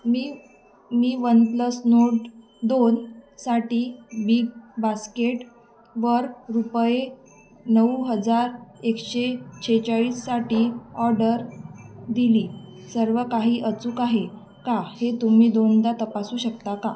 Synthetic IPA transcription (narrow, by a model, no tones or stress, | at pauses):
miː | miːʋənpləsnoʈ | d̪onsaʈiːbiɡ̚baskeʈ | ʋəɾɾupje | nəuɦəd͡zaɾekɕet͡ɕʰet͡ɕaɭiːsːaʈiːɔɾɖəɾd̪iliː | səɾʋəkaɦiːʔət͡suːkaɦe | kahet̪umiːd̪ond̪at̪əpasuːɕəkt̪aka